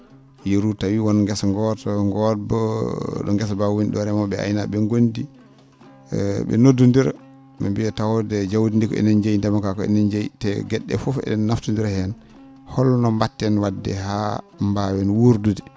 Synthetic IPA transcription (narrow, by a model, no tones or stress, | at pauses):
jeɾutawiwɔnŋɡɛsŋɡɔtŋɡɔt̚bɔɗɔ̰ŋɡɛsbawunɗɔɾɛmɔɓɛa̰jnaɓɛŋɡondi | ɓɛ̰nodːundiɾ | mḭmbiɛtawɔdɛd͡ʒawdindikɔ̰ɛ̰nɛnd͡ʒajindɛmakakɔɛ̰nɛnd͡ʒajitɛɡɛɗːɛ̰fɔfɛ̰ɗɛnːaftundiɾahɛn | hɔlnɔmbatːɛnwadːɛ̰ɦa | mbawɛnwuɾdudi